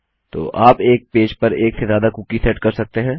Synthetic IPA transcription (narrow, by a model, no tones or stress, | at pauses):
t̪o̰ːʔaːpeːk̚peːd͡ʒpɐɾeːksezjaːd̪akukisɛʈkɐɾsɐk̚t̪eɦɛ̃ː